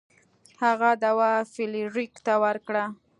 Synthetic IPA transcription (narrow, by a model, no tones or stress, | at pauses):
haɣad̪awafɪliɾikt̪awəɾkɽa